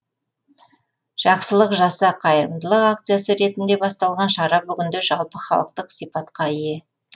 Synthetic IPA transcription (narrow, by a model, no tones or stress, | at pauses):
ʒ̥ɑqsəlˠəqʒɑsɑqʰɑjəɾəmd̪əlˠəqak̚t̪sɨjasəɾe̞t̪ɪnd̪e̞bɑst̪ɑlˠʁɑnʃɑɾɑbʏɡʲɪnd̪eʒɑlˠpəχɑ̰lˠəqt̪əqsijpɑt̪qɑije̞